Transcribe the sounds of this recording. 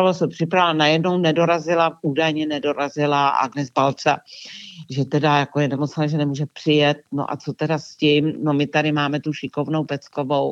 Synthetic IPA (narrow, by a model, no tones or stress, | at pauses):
olosɛpr̝̥ɪpɾalanajɛdnownɛdo̞ɾazɪlaʔuːdajɲɛnɛdo̞ɾazɪlaʔa̰ɡnɛzbalt͡sa | ʒɛt̪ɛdajako̞jɛnɛmot͡snaʒɛnɛmuːʒɛpr̝̥ɪjɛt̪̚no̰ʔa̰t͡so̞t̪ɛdascɪmno̞mɪt̪adɪmaːmɛt̪uʃɪko̞vno̞wpɛt͡sko̞vo̞w